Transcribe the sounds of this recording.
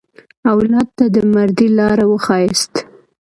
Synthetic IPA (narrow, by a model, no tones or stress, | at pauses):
awlɑd̪̚t̪ad̪əmaɾd̪ilɑɾawəxɑjest̪